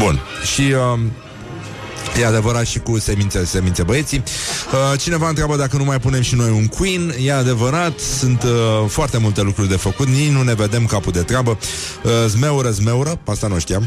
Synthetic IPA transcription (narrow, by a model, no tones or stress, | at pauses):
bunʃiə | jead̪e̞vəɾat̪ʃikuse̞mint̪sese̞minsebəe̞t̪siət͡ʃine̞vaɨnt̪ɾʲabəd̪akənumajpune̞mʃino̞juŋkwinjead̪e̞vəɾat̪sunt̪foart̪e̞mult̪e̞lukɾurʲd̪e̞fəkut̪ninune̞ve̞d̪e̞mkapud̪e̞t̪ɾabəəzme̞uɾəzme̞uɾəast̪anuʃt̪ijam